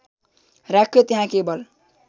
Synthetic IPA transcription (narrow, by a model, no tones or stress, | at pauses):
ɾakʰːet̪iɦãkebʌl